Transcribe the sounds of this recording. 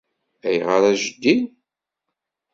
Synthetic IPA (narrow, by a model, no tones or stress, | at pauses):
æjʁəɾæʒəd̪ːin